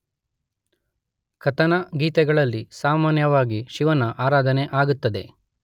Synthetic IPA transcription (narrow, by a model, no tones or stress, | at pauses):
kʰɐt̪ɐnɐɡiːt̪ɛɡɐɭɐlːisaːmaːnjɐʋaːɡiʃiʋɐnɐʔaːɾaːd̪ʱɐneʔaːɡut̪ːɐd̪e̞